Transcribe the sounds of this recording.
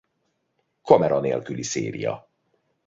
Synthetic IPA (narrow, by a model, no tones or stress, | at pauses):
kɒmɛɾɒneːlkyliseːɾijɒ̰